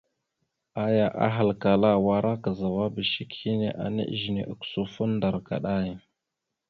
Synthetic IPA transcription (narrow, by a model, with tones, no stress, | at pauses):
a˦ja˨ʔa̰˦ɦa˨lka˨la˦wa˦ɾʔa˦ka˨za˨wa˦bə˨ʃi˦khi˦ne˦˨ʔa̰˨nḛ˦ʔʒi˨ne˨ʔə˨ksu˦fu˦nda˨ɾka̰˨ɗa˦ja˨